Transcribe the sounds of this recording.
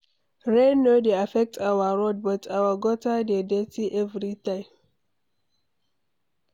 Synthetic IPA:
ɹẽnːodeafɛk̚tawaɹɔd̚bʌtʰawaɡɔtadedɛtiʔɛvɹitãɪ̃m

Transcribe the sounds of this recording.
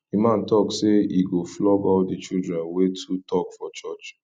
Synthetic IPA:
emãntɔkseiɡoflɔbadit͡ʃildɹɛ̃nwetʰutʰɔkfɔt͡ʃɔt͡ʃ

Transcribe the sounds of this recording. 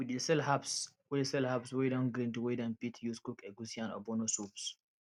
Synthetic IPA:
widesɛlhapswɛsɛlhapswɛdãnɡɾĩntuwedãnpitʰjuskukɛɡusiãnɔ̰bɔnosups

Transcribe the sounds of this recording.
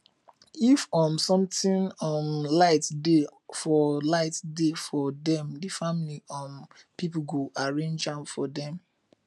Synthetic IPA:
ifɔ̃msɔ̃mtĩnɔ̃mlaɪtdefɔlaɪtdefɔdɛ̃mdəfamiliɔ̃n | pipuɡoʔaɹẽnd͡ʒãnfɔdɛ̃m

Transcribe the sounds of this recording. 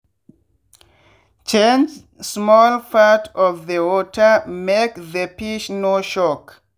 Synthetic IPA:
t͡ʃẽnd͡ʒ | smɔlfatʰɔvðəwɔtʰəmekðəpiʃnoʃɔk

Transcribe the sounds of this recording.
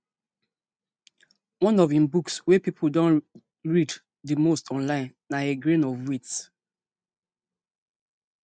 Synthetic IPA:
wɔ̃nɔvĩmbukswɛpipʰudɔ̃n | ɹid | dəmostʰɔ̃nlãɪ̃nːaeɡɹẽnɔvwits

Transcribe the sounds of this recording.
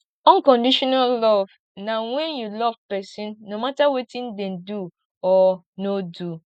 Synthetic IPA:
ɔ̃ŋkɔ̃ndiʃɔnallɔv̥ | nãwɛ̃njulɔv̥pɛsĩnːõmatawetʰĩndɛ̃ndu | ɔ | nodu

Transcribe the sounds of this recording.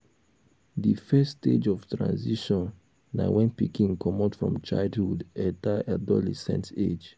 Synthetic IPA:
ðifɛsted͡ʒɔv̥tɹã̰nziʃɔ̃nː | a̰wɛ̃npikĩŋkɔmɔtfɹɔ̰̃mt͡ʃaɪldhudɛtaʔadɔlɛ̰sɛ̰̃nted͡ʒ

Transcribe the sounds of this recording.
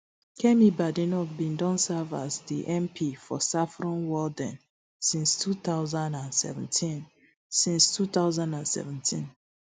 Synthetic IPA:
kʰɛmibadĩnɔkbĩndɔ̃nsava̰zdḭʔɛ̃mpʰifɔ̰safɹɔ̃nwɔldɛ̃n | sĩnstʰut̪aʊzãndãndsɛ̰vɛ̃ntʰĩn | sĩnstʰut̪aʊzãndãnsɛ̰vɛ̃ntʰĩn

